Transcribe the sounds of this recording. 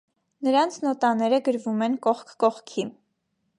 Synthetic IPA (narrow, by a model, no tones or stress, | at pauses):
nəɾɑnt͡sʰnɔt̪ɑnɛɾəɡəɾvumɛnkɔχkʰkɔχkʰi